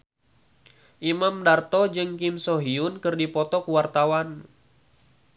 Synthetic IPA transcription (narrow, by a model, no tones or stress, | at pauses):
ʔimamdart̪ɔd͡ʒɨŋkɪmsɔɦiʊnkɨrdipɔt̪ɔkuwart̪awan